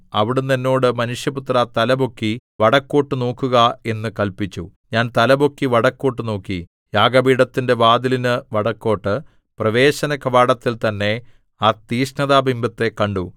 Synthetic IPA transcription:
ɐ̰ʋiɽunːenːo̞ːɽɨmɐnuʂjɐput̪rat̪ɐlɐbo̞kːiʋɐɽɐkːoːʈːɨno̞ːkːuɣɐe̞nːɨkɐlpit͡ɕːu | ɲaːnt̪ɐlɐbo̞kːiʋɐɽɐkːo̞ːʈːɨno̞ːkːi | jaːɡɐbiːɽɐt̪ːinde̞ʋaːd̪ilinɨʋɐɽɐkːo̞ːʈːɨ | prɐʋe̞ːɕɐnɐkɐʋaːɽɐt̪ːilt̪ɐnːe̞ | aːt̪iːʂnɐðaːbimbɐt̪ːe̞kːɐɳɖu

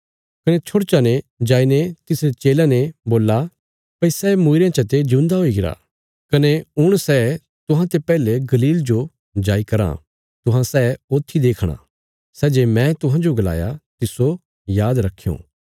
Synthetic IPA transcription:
kɐnet͡ʃʰoɽt͡ʃaned͡ʒaːinet̪ɪsɾet͡ʃeːlãneboːlːa | pɐisɛːmuɪɾjãt͡ʃɐt̪ed͡ʒʊ̃nd̪aɦoːiɡɪɾa̰ | kɐneʊɽ̃sɛː | t̪ʊɦãt̪epɛːleɡɐliːld͡ʒo | d͡ʒaːikɐɾã̰ | t̪ʊɦãsɛːoːt̪ʰːid̪eːkʰɽ̃a̰ | sɛːd͡ʒeːmɛ̃t̪ʊɦãd͡ʒoɡɐla̰ːja̰t̪ɪso | jaːd̪ɾɐkʰːijo̰ː

